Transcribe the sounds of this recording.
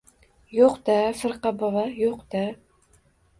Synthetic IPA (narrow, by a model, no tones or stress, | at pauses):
joqd̪afɨɾqɑbɑvɑjoqd̪̥a